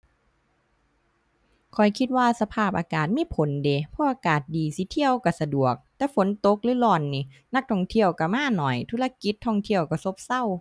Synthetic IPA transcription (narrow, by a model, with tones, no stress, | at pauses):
kʰɔ˨˩jkʰi˧t̪̚waː˧˨sa˧pʰaː˧˩p̚ʔaː˧kaː˨˩t̪̚miː˧˥˨pʰo˨˦nde˨˧pʰɔː˧˥˩ʔaː˧kaː˨˩t̪̚diː˨˩si˧˦t̪ʰi˧˨əwka˧˩sa˧du˨˩ək̚t̪ɛː˧˦fo˨˦nt̪o˧˦k̚lɯː˧˦˨lɔː˧˩nːiː˧˩ | na˧˥k̚t̪ʰɔː˧˩ŋt̪ʰi˧˨əwka˧˩maː˧˥˨nɔ˨˩jt̪ʰu˧˨la˧ki˧˦t̪ʰːɔ˧˩ŋt̪ʰi˧˨əwka˧˩so˧˥p̚sa˧˥˨w